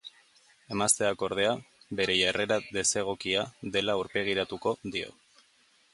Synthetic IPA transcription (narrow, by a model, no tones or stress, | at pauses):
e̞mast̪e̞ako̞ɾð̞e̞abe̞ɾe̞ʝare̞ɾaðe̞se̞ɣ̞okiaðe̞lauɾpe̞ɣ̞iɾat̪uko̞ðio̞̰